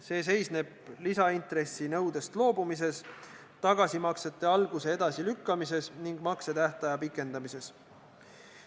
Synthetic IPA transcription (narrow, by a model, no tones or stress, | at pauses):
se̞ːs̬e̞jsne̞b̥ | lisɑint̪ɾe̞sːinɤwd̪e̞st̪lo̞ːbumise̞s | t̪ɑɡ̥ɑsimɑkse̞t̪ːˑe̞ɑlɡ̥use̞ed̪̥ɑsilykːɑmise̞sniŋɡ̥mɑkse̞t̪æht̪ɑjɑpikːˑe̞nd̪ɑmise̞s